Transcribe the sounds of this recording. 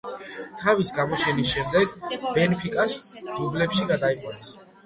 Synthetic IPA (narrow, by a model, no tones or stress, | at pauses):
t̪ʰavisɡamɔt͡ʃʰɛnisʃɛmd̪ɛɡbɛnpʰikʼasd̪ublɛpʃiɡad̪aiqʼwanɛs